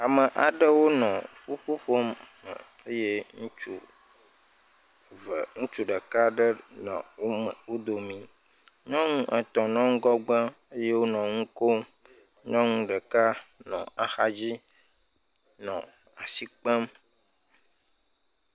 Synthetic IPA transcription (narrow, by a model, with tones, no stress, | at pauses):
a˨mə˨ʔa˨ɖə˦wo˦nɔ̃˨ɸu˦ɸu˦ɸo˦mː | ə̰˨ | e˦je˦ŋũ˦t͡ʃu˨ | vŋũ˦t͡ʃu˦ɖə˨ka˦ɖə˦nɔ̰̃˨wo˦mə˨wo˦d̪o˨mĩ˨ | ɲɔ̃˦ŋũ˦ʔə˨t̪ɔ̃˨nɔ̃˦ŋ̩˦ɡɔ˦ɡ͡bə̃˦ | e˦je˦wo˦nɔ̃˨ŋũ˦ko˦m | ɲɔ̃˦ŋũ˦ɖə˨ka˦nɔ̰̃˨a˨xa˦d͡ʑi˦ | nɔ̰̃˨ | a˨si˦k͡pə˦m